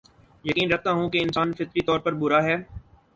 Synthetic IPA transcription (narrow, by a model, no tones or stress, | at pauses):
jɐkiːnɾɐk̚ʰt̪aɦũkeɪnsaːnfɪt̪ɾit̪ɔːɾpɐɾbʊɾaɦɛː